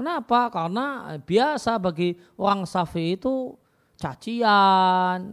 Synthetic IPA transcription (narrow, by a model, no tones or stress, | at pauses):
kənapakarna̰b̥iasabaɡi | oɾaŋsafiːt̪u | t͡ʃat͡ʃian